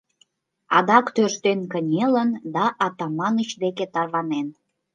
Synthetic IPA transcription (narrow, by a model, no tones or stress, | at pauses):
ɑd̪ɑkt̪øʃt̪enkənʲelənd̪ɑʔɑt̪ɑmɑnət͡ɕd̪eket̪ɑrβɑnen